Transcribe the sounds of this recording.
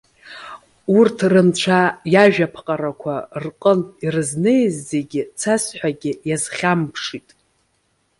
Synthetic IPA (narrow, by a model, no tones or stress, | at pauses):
urtʰrɨnt͡ʃʷʰajaʒᶣapʰqʼaɾakʷʰarqʼəntʼirɨznejzːe̞ɡʲɪt͡sʰasħʷᶣaɡʲɪjazχʲampʰʂitʼ